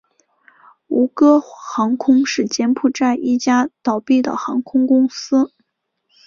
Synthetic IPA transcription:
u˧˥kɤ˥xɑ˧˥ŋkʰʊ˥ŋʂɻ̩˥˩t͡ɕjɛ˥npʰu˥˩ʈ͡ʂa˥˧ɪʔi˥˩t͡ɕja˥t̪ɑ˨˩ʊpi˥˩d̪ə̰˩xɑ˧˥ŋkʰʊ˥ŋkʊ˥ŋsɹ̩˥

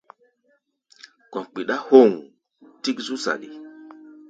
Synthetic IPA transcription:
kɔ˨k͡pi˨ɗa˦ho˦˨ŋ | ti˦kzu˦za̰˨ɗi˨

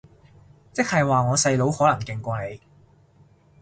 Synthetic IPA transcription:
t͡sɪ˥k̚hɐ˨jwaː˨ŋɔː˨˧sɐ˧jlo˨˥whɔː˨˥lɐ˨˩ŋkɪ˨˧ŋkʷɐː˧ne˨˧j

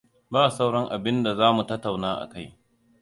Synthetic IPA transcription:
baː˦˨sa˦wɽɐ˦ŋʔa˨bɪ˦nda˨zaː˦mu˨tɐ˦tːa˨wnaː˦ʔa̰˨ka˦j

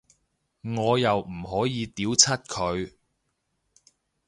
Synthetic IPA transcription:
ŋɔː˨˧jɐ˨wm̩˨˩ɦɔː˨˥jiː˨˧t̪iː˨˥wt͡sʰɐ˥t̚kʰɵ˨˧ɥ

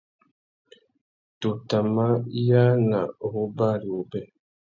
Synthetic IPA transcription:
tu˨ta˨ma˦ja˦ŋa˨o˨hu˦ba˦ɾi˨u˨bɛ˦

